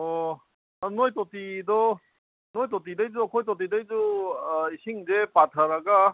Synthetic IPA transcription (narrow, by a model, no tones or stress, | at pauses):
ɔ | nojtotidɔ | nojtɔt̬idajd͡ʒuakʰojt̬ɔt̬idajd͡ʒuisiŋzepatʰaɾaɡa